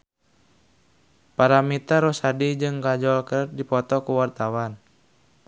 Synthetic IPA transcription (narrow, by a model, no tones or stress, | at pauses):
paɾamit̪aɾɔsadid͡ʒɨŋɡad͡ʒɔlkədipɔt̪ɔkuwart̪awan